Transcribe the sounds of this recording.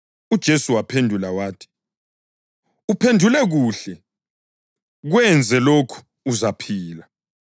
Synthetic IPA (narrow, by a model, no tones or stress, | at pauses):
ud̥ʒ̥ʱesuwapʰendʱulawaːtʰi̥ | upʰendʱulɛɣuːɬɛ | ɣwɛnd͡zʱɛlokʰu̥ː | zapʰiːla